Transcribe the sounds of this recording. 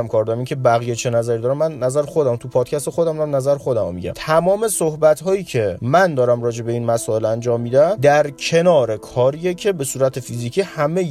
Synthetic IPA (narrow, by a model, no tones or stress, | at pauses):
æmkʰɒːɾd̪ɒɾæminŋcʰʲe̞bæɣijet͡ʃʰe̞næzæɾid̪ɒɾæmːænːæzæɾexo̞d̪æmt̪ʰupʰɒːd̪̥̚cʰæst̪e̞xod̪æmnæmnæzæɾxo̞d̪æmo̰mḭɟæ̰mt̪ʰæmɒːme̞sohbæt̪ɦɒːiːcʰe̞mænd̪ɒːɾæmɾɒːd͡ʒe̞be̞iːnmæsɒːe̞lænd͡ʒɒːmːiːd̪æmd̪æɾcʰe̞nɒːɾe̞kʰɒːɾijecʲʰe̞be̞suːɾæt̪ʰe̞fiziːcʰiːhæme